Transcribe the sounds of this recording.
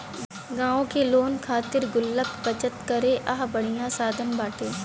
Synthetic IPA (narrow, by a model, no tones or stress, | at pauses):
ɡãːõkeloːnkʰaːt̪ɪɾɡʊlːəkbɐt͡ʃət̪kɐɾeʔɐɦbɐɽ̤ijãsaːd̪ʱənbaːʈeː